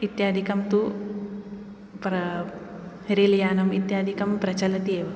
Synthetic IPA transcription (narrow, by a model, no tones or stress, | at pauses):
it̪jaːd̪ʱikɐmt̪u | pɾɐ | ɾilɐjaːnɐmit̪jaːd̪ʱikɐmpɾɐt͡ʃɐlɐt̪ieːʋɐ